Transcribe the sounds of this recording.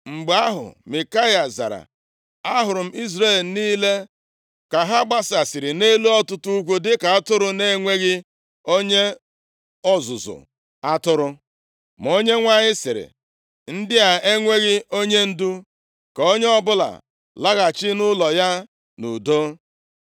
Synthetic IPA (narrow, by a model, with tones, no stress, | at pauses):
ŋ͡m̩˨ɡ͡ba˦ɦʊ̰˨mi˨ka˦ja˨za̰˨ɾa̰˨ | a˦ɦʊ˨ɾʊ˨m̩˦i˦zɾe˦˨lniː˦le˦ | ka˨ɦa˦ɡ͡ba˦sa˨sɪ˨ɾɪ˨ne˦lu˦ɔ˦tʊ˦tu˦u˦kʷu˦dɪ˦ka˨a˦tʊ˦ɾʊ˦ne˦ŋʷe˦ɣɪ˦ | o˦ɲe˦ | ɔ˦zʊ˨zʊ̰˨ | a˦tʊ˦ɾʊ˦ | m˨o˦ɲe˦ŋʷa˦ɲɪ˦sɪ˨ɾɪ̰˨ | n̩˦dɪ˦a˨e˦ŋʷe˦ɣɪ˦o˦ɲe˦n̩˦du˦ | ko˦ɲe˦ɔ˦bʊ˦la̰˨ | la˦ɣa˨t͡ʃɪ˦nʊ˦lɔ˨ja˦ | nṵ˨do˦